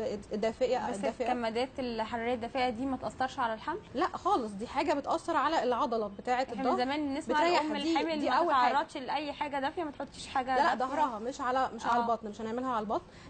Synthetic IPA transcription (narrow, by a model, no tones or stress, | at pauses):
d̪ːæːfeʔææd̪æfeʔæmːæd̪æːt̪elħɑɾˤɾejːæd̪ːæfeʔæd̪iːmæt̪ʔɑsˤːɑɾˤʃʕalælħamllæʔxɑːlesˤd̪iːħaːɡæbet̪ʔɑsːɑɾˤʕalæʔelʕɑd̪ˤɑlɑbet̪aːʕet̪d̪ɑzæmæːnnːesbeæjæomːeliːemilimʔæwːæʕɑrːɑd̪ʃlʔæjːħaːɡæd̪æfʔæmæt̪ħot̪ˤːiːʃħaːɡæd̪ælæʔd̪ˤɑhɾˤɑɦɑmeʃʕalæmeʃʕalælbɑt̪ˤnmeʃʔæneʕmelhæʕalælbɑt̪ˤn